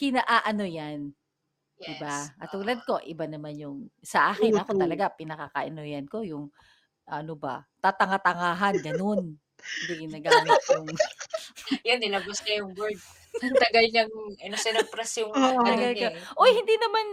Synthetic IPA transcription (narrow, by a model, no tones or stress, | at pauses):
kɪnaʔaʔɐno̞jan | ɪbaʔɐt̪uːlɐd̪̚ko̞ʔɪbanɐmanjʊŋsɐʔaːkɪnɐko̞t̪ɐlɐɡapɪnɐkakɐʔɐnojɐnko̞jʊŋ | ʔɐnobɐ̰t̪at̪ɐŋat̪ɐŋaːɦɐnɡɐno̞n | b̪ɪɪnɐɡaʔɐnat̪jʊŋ | jond̪ɪnaɡʊskɐjʊŋbold̪̚ | ɐt̪ɐɡɐlɲɐŋɐnosɛnɐɡ̚pɾɛsjʊŋt̪ɐɡalkoʔojhɪnd̪inɐman